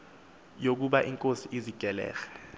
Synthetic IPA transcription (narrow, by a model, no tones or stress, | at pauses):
jok̬uɓaʔiŋkʼosiʔiziɡ̥ʱɛlɛ̰ːɣɛ̥